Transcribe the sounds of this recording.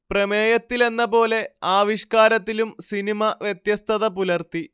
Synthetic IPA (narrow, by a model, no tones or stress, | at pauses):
prɐmeːjɐt̪ːile̞nːɐpo̞ːle̞aːʋiʂkaːɾɐt̪ːilumsinimɐʋjet̪jɐst̪ʰɐðɐpulɐrt̪i